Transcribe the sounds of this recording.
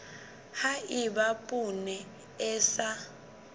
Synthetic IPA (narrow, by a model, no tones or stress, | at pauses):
haiɓapʼunɛ | ɛːsa